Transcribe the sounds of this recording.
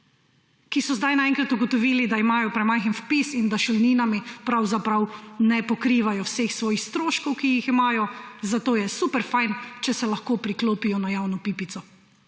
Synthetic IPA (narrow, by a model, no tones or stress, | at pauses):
kisɔzd̪ajnaɛ̃ŋkɾat̪uɡɔt̪ɔʋiːlid̪aimaːjɔpɾɛmajxənfpisind̪aʃulniːnamipɾawzapɾawnɛpɔkɾiːʋajɔwseːxsʋɔːjixst̪ɾoːʃkɔwkijiximaːjɔzat̪oːjɛsupɛɾfajnt͡ʃɛsɛlɐxkoːpɾikloːpijɔnajaːwnɔpiːpit̪sɔ